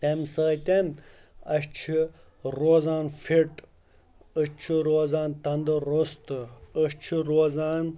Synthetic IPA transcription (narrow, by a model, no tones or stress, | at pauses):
t̪emsəːt̪enɐɕt͡ʃʰi | ɾoːzaːnfiʈ | əɕt͡ʃʰiɾoːzaːnt̪ɐnd̪ɨɾost̪ɨəɕt͡ʃʰiɾoːzaːn